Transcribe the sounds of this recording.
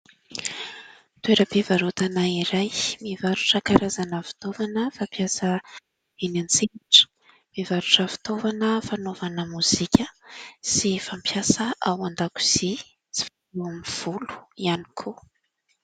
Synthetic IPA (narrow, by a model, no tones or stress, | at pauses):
t̪ueɾəpevaɾut̪anaiɾajmivaɾuʈ͡ʂəkaɾazanəfi̥t̪ovanəfapjasə | enant͡sekaʈ͡ʂə̥ | mivaɾuʈ͡ʂəfi̥t̪ovanəfanovanəmuz̥ikʲəsifampʰjasəʔawand̪aku̥z̥i | t͡si̥faleamiv̥ulu̥iani̥kʰo